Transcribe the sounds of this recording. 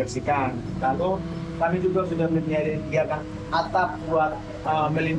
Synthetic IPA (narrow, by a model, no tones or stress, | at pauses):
ərsikankalo | kamid͡ʒuɡasudahməniadandiakan | at̪ap̚buat̪̚ | əməlin